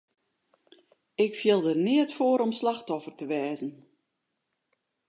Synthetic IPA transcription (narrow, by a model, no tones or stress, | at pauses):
ɪkfjɪlˠdərnɪətfoːəɾɔmslaxtɔfərtəʋɛːzən̩